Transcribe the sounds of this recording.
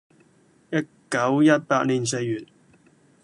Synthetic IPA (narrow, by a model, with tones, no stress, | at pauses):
jɐ˥t̚kɐ˨˥wjɐ˥t̚paː˧t̚liː˨˩ns̬e˧jːyː˨˩t̚